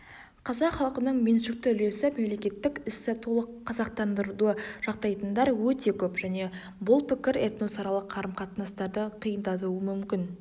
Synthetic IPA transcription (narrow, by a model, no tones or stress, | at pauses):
qʰɑzɑqχɑlˠəqənəɴme̞nʃɪk̚t̪ɪʏle̞sɪme̞mle̞kʲe̞t̪ːɪkʲɪset̪ulˠəqʰːɑzɑq̚t̪ɑnd̪əɾd̪uəʒ̥ɑqt̪ɑjt̪ənd̪ɑɾwɵt̪e̞kʲʰɵpʒ̥æne̞ | bʊlˠpɪkʲɪɾet̪no̞sɑɾɑlˠəqʰːɑɾəmqʰɑt̪nɑst̪ɑɾd̪əqʰijənd̪ɑt̪uəmʏmkʲɪn